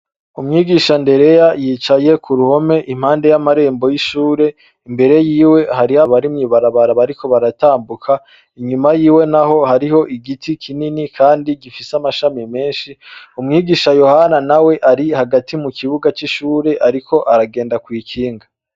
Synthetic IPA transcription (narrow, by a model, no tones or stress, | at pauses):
umŋiːɡiʃande̞ɾe̞jajiːt͡ʃaje̞kʰuɾuho̞me̞ʔim̥haːnde̞jamaɾe̞ːmbo̞jiʃuːɾe̞ | imbe̞ɾe̞jiːwe̞haɾihaβaɾimŋiːβaɾaβaɾaβaɾiko̞βaɾataːmbukʰa | iɲumajiːwe̞naɦo̞haɾiho̞ʔiɡitikʰininikʰaːndiɡifisamaʃamime̞ːnʃiumŋiːɡiːʃajo̞hananawe̞ʔaɾihaɡatʰimukʰiβuɡat͡ʃiʃuːɾe̞ʔaɾikʰo̞ʔaɾaɡe̞ːndakwiːkʰiːŋɡa